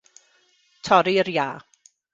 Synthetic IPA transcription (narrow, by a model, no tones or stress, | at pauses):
tʰɔɾiəɾjaː